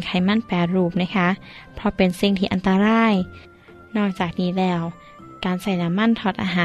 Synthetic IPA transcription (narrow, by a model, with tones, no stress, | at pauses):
kʰa˧˩jma˧˥˨npɛː˧˩ɾuː˧˩p̚na˧˥˩kʰa˦˥ʔ | pʰɾɔ˧˥pe˨nsi˧˩ŋt̪ʰiː˧ʔa˨nt̪a˧ɾaː˧˥˩j | nɔː˧˩k̚t͡ɕaː˨˩k̚niː˦˥lɛː˧˩w | kaː˨nsa˧˩jna˧˥mːa˥˨nt̪ʰɔː˧t̪̚ʔaː˧ɦaː˨˧˦